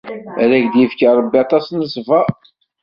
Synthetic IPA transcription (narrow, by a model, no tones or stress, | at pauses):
ɾæʝd̪jifkəɾˤəbːiɑt̪ˤɑsnəsˤvɑ